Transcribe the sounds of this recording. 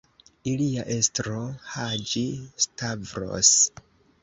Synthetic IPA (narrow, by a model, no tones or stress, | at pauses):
iliaʔe̞stɾohad͡ʒistavɾo̰s